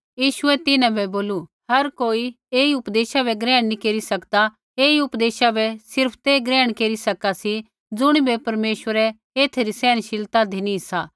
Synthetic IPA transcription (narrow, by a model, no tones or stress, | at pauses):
jiːʃʊɛt̪ɪnãbʱɛboːlu | ɦɐɾkoːi | eːiʊpd̪eːʃabɛɡɾɛ̃ːɽ̃nikeːɾisɐkd̪a | eːiʊpd̪eːʃabɛsɪɾpʰt̪eɡɾɛːəɽ̃keːɾisɐkasi | d͡zʊɽ̃ibɛpɐɾmeːʃʋəɾɛ | eːt̪ʰeɾisɛːñʃɪlt̪ad̪ʱinĩɦɪsaː